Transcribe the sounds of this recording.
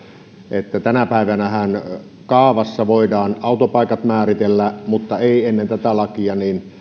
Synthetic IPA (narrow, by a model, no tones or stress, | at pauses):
ʔet̪ːæt̪ænæpæˑiʋænæhæn | kɑːʋɑsːɑʋoˑidɑːnɑˑut̪opɑˑikɑt̪mæːrit̪elːæmut̪ːɑeˑienːent̪æt̪ælɑkiɑnin